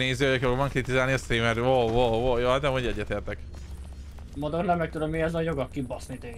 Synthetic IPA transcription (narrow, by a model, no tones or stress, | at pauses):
neːzioɒkfoɡmɒŋkrit̪izaːlniɒst̪ɾiːmɛroʋooːjoɒd̪ɛmoɟɛɟːɛt̪eːrt̪ɛk | mod̪ornɛmːɛk̚t̪ud̪omiɛzɔjoɡɒkːibɔsnit̪e